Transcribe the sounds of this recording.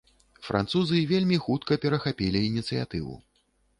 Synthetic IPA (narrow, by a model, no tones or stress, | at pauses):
fɾʔa̰nt̪suzɨvʲelʲmʲixut̪kɐpʲɛɾɐxapʲilʲiːnʲit̪sɨja̰t̪ɨvṵ